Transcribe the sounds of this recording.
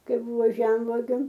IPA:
ˈkɐɪ ˈbʊʋoː ˈʒʲɛmʋuɔɡʲʊ

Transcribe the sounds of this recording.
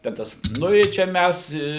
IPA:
tʲɛn ˈtɐs ˈnʊ ɪ ˈt͡ʃʲɛ ˈmʲæs ɪ

